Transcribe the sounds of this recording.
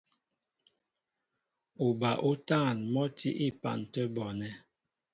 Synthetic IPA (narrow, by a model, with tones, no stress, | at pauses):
u˨ba˨ʔu˦ta˦˨nmɔ˦tʰḭ˦ʔi˦pa̰˨n˨tə˦bɔ˨nɛ˦